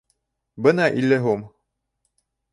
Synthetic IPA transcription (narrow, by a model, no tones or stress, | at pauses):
bɤnɑʔilːæɦum